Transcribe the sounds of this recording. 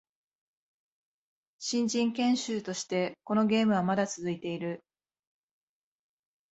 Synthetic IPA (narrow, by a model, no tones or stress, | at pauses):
ɕĩɲd͡ʑĩŋkẽ̞ɰ̃ɕɨːt̪o̞ɕi̥t̪e̞ko̞no̞ɡʲe̞ːmɯ̟β̞amad̪at͡sɨzɨit̪e̞iɾɯ̟